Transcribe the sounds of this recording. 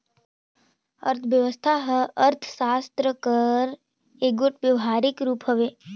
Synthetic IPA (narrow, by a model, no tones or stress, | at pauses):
ə̰ɾt̪ʰʋjəʋəst̪ʰaɦəəɾt̪ʰsaːst̪ɾəkəɾ | eːɡoʈʋjəʋɦaːɾɪkɾuːpɦəʋeː